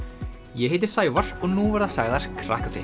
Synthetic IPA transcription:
jɛɦeːjt̪̬ɪɾ̥saːjvaɾ̥ɔɣnuvɛɾðasaɣðaɾ̥kʰɾa̰ːhkḁfɾɪ̰

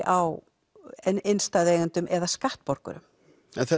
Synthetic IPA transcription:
ʔaw | ɛejnst̪aːðeːɣant̪ʏmʔɛðaskaht̪pɔɾkʏ̰ɾʏ̰m | ɛnθɛ

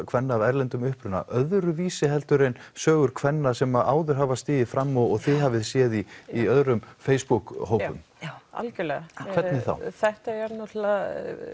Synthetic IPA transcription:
kʰvɛnːaːvɛɾlɛnt̪ʏmʏhpɾʏnːa̰ʔœðɾʏviːsɪɦɛlt̪ʏɾejnsœːɣʏɾkʰvɛnːasɛmaʔaːwðʏɾ̥ɦaːvast̪ɪːðɪfɾamːɔɔɣθɪɦaːvɪðsjɛːðiːœðɾʏmfeːjspukɦoːwpʏ̰m | a̰lcʏlɛakʰvɛɾnɪθa̰wθɛht̪aɛɾnɔt̪la

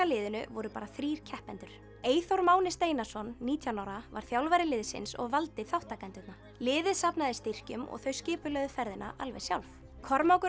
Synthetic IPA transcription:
alɪːðʏnʏ̰vɔɾʏpaːɾaθɾiːɾ̥cʰɛhpɛnt̪ʏɾ̥ | eːjθoɾmaːwnɪst̪eːjnḁsɔnːiːt̪ʰjawnawɾava̰ɾ̥θjawlvajɾɪlɪːðsɪ̰nsɔ̰ɣvalt̪ɪθawht̪akɛnt̪ɪt̪na | lɪːðɪðsapnaðɪst̪ɪr̥cʏmɔ̰ɣθœɥscɪːpʏlœðʏfɛɾðɪnːa̰ʔalvɛ̰sjawlf | kʰɔɾmawkʏ

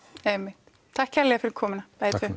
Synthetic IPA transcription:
ɛmːɪht̪ | t̪ʰakhɛɾlɛafʏɾɪɾkʰɔːmɪnapajt̪ʏ

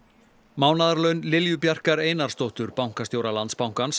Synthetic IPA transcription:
maːwnaðaɾlœɥnlɪljʏpjar̥kaɾeːjnaɾ̥st̪owht̪ʏɾpawŋ̥kast̪joːwɾalant̪spawŋ̥kans

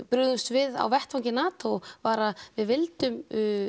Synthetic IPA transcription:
pɾʏðʏmst̪vɪða̰wvɛht̪vawɲcɪnaːt̪ʰowvaɾavɪðvɪlt̪ʏmʏ

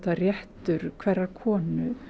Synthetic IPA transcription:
t̪arjɛht̪ʏɾ̥kʰvɛrːaɾkʰɔːnʏ

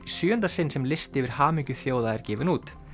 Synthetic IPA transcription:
sjʏːœnt̪asɪnsɛmlɪst̪ɪvɪɾ̥haːmiɲcʏθjoːwðaɛɾ̥cɛːvɪnuːt̪

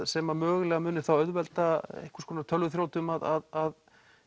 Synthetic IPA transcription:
sɛːmamœːɣʏlɛːɣamʏːnɪ̥θawœðvɛlt̪aḛjhkḁskʰɔːnat̪ʰœlvʏθɾjoːwt̪ʏmaðaðað

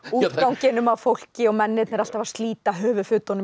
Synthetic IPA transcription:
uːt̪kawɲcɪnʏmawfowl̥cɪɔɣmɛnːɪt̪nɛɾal̥t̪avaɾ̥st̪liːt̪aɦœːvʏfʏt̪ɔnʏ

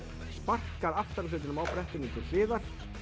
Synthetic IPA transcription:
spar̥kaɾaft̪aɾʏsʏːt̪ɪnʏmawpɾɛht̪ɪnɪt̪ʰɪllɪːðaɾ̥

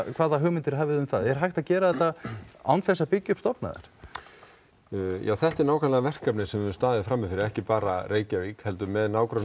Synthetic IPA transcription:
kʰv̥aːðaɦʏmɪnt̪ɪɾɦaːvɪðʏmθaðɛɾ̥ɦajxt̪aðcɛːɾaðɛht̪ːaa̰wnθɛsːapɪcːʏpst̪ɔpna̰ðɪ̰ɾ̥ | ja̰ːwθɛht̪ɪɾnaːwkʰanlavɛr̥kapnɪsɛmvɛst̪aːðɪɪfɾamːɪfɪɾɪɾɛhcɪpaːɾareːjcaɾikhɛlt̪ʏmɛðnaːwkɾœ

